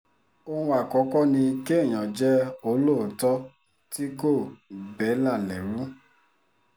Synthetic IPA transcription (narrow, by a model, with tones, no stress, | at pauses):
o˦hũ˧a˨kɔ˨˦kɔ˦nĩ˧ke˦˨j̃ɔ̃˨d͡ʒɛ˦o˨˦lo˦˨tɔ˦ | ti˦ko˦˨bɛ˨˦la˦˨lɛ˨ɾũ˨˦